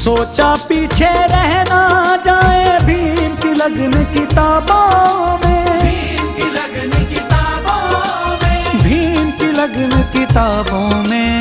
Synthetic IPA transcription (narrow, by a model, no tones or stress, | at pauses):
soːt͡ʃapiːt͡ʃʰeɾɛɦnad͡ʒaːebʱiːmkiləɡnkɪt̪aːbõmẽ | lː | o | bʱinkiləɡnkɪt̪aːbõmẽ